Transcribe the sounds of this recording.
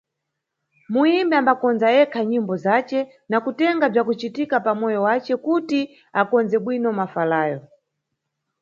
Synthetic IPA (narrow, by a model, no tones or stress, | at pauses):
muimbɛambakɔnzajɛkʰaɲimbɔzat͡ʃɛ | nakutɛŋɡab͡ʐakut͡ʃitikapamɔjɔwat͡ʃɛkuti | akɔnzɛɓwinɔmafalaːjɔ